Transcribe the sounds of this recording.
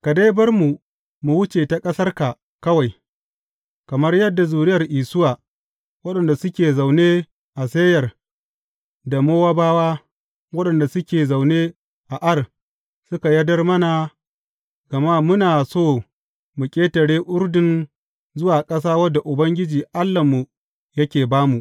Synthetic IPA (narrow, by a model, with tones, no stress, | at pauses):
ka˨da˦jbɐ˦rmu˨ | mu˨wʊ˦t͡ʃeː˨ta˨kʼɐ˦sɐ˦rka˨ | kɐ˦wa˨j | kɐ˨mɐ˦rjɐ˦dːa˨zuː˨ɾɪ˦jɐ˨rʔiː˨sʊ˦waː˨ | wɐ˦ɗɐ˨nda˨sʊ˦kʲeː˨za˨wneː˦ | ʔa˨se˦jɐ˨r | da˨moː˦waː˦baː˦waː˦ | wɐ˦ɗɐ˨nda˨sʊ˦kʲeː˨za˨wneː˦ | ʔa˨ʔɐ˦r | sʊ˦ka˨jɐ˦dɐ˦rmɐ˦na˨ | ɡ̥ɐ˨ma˦mʊ˦naː˨soː˦˨ | mʊ˨kʲʼeː˦tɐ˨ɽeː˦ʔʊ˦ɽdɪ˨n | zʊ˦waː˨kʼɐ˦s̬aː˦wɐ˦dːa˨ʔʊ˨bɐ˦ŋɡʲɪ˦d͡ʒiː˨ʔa˦lːɐ˨mːu˨ | jɐ˦kʲeː˨baː˦mu˨ʔ